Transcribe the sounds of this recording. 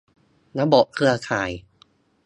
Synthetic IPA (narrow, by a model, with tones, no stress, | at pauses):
na˦˥bɔ˨˩ʔkʰɾɯ˧ɐkʰaː˨˩˦j